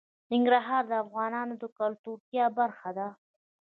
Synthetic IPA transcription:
nɪŋɡɾaɦɑɾd̪əafɣɑnɑnod̪əkalt̪uɾt̪jɑbaɾxad̪a

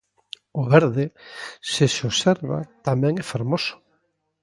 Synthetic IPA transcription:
ʊβɛɾðɪseseosɛɾβa̰t̪amɛ̃ŋɛfaɾmosʊ̥

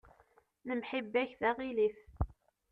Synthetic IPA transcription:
nəmħibːæçðæʁiliθ

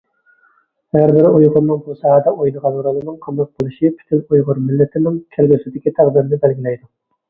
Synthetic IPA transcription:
hæɾbɪɾɪujʁʊɾnɨŋbusɑɦɑd̪ɛʔojnɨʁɑlˠuɾɑlˠɨnɨŋqʰɑmɑt̪̚qolˠɨʃipʰy̥t̪ʰɪnujʁʊɾmɪlːɪt̪ʰɪnɪŋkʲʰælɡʲisɪd̪ɪkʲit̪ʰæʁd̪ɪɾnɪbælɡʲilɛjd̪u

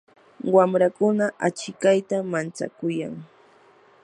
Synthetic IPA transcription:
wamɾakʊnaʔat͡ʃɪkajt̪amant͡sa̰kʊja̰ŋ

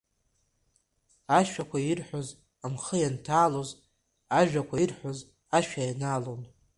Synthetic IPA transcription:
aʃᶣakʷʰairħʷoz | amχəjantʰaːloz | aʒᶣakʷʰairħʷoz | aʃᶣajanalon

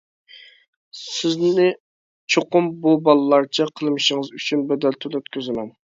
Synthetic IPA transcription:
sɪznɪ | t͡ʃʰoqʊmbubɑlˠɨlˠɑɾt͡ʃʰɛqʰəlˠmɨʃəŋəzyt͡ʃʰynbɛd̪ɛlt̪ʰølˠøt̪kʲʰøzɪmɛn

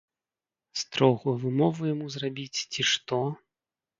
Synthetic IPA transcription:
st̪ɾɔɣuvɨmɔvujamuzrabʲit͡sʲt͡sʲiʂt̪ɔ

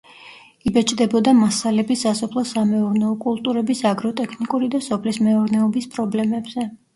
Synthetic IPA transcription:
ibɛt͡ʃʼd̪ɛbɔd̪amasalɛbisasɔpʰlˠɔsamɛuɾnɛɔkʼulˠt̪ʼuɾɛbisaɡɾɔt̪ʼɛkʰnikʼuɾid̪asɔpʰlismɛɔɾnɛɔbispʼɾɔblɛmɛbz̥ɛ

